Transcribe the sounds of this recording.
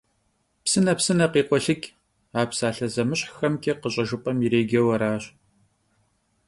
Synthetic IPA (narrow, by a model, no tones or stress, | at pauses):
psɨnɐpsɨnɐqiːqʷɔɬɨkʲ | aːpsaːɬɐzɐmɨɕħxɐmkʲʼiqəɕʼɐʒɨpʼɐmiɾeːɡʲɛwɐɾaːɕ